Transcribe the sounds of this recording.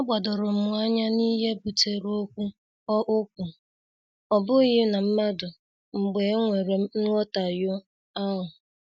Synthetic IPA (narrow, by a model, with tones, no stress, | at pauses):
ɔ˦ɡ͡ba˨dʊ˨ɾʊ˨m̩˨ʊ˨˦a˦ɲa˦ni˦ɦe˦bu˨te˨ɾo˦kʷu˦ | ɔ˦ʔʊ˦k̚ʷu˨ | ɔ˨bʊ˦ɣɪ˦na˨m̩˦ma˦dʊ˨ | ŋ͡m̩˨ɡ͡be˨˦ŋʷe˨ɾe˨˦n̩˦lɔ˦ta˨jʊ˦ | a˦ɦʊ˨